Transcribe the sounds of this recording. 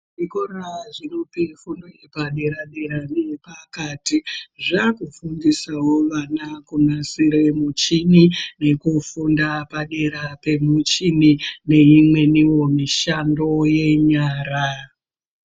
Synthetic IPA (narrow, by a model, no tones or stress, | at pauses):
ikoraʐinopifundoepaɗe̞ɾaɗe̞ɾaniepakatiʐakufundisawo̞ʋanakunasiɾe̞mut͡ʃinine̞kufundapaɗe̞ɾape̞mut͡ʃinine̞imwe̞niwo̞miʃando̞je̞ɲaːra